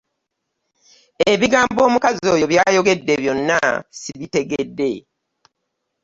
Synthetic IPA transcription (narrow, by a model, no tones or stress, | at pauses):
e̞βiɡaːmbo̞ːmukazo̞ːjo̞βjaːjo̞ɡe̞dːe̞βjo̞nːa̰siβite̞ɡedːe̞